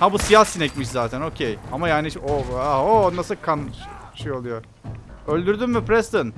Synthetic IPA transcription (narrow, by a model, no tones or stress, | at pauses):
habusijasinɛc̚ʲmiʃ̬zaːt̪ʰæno̞cʰejamajaːnioaɦonasɯlˠkʰan | ʃejo̞lˠujo | ølʲd̪yɾd̪ymmypɾɛst̪ɯn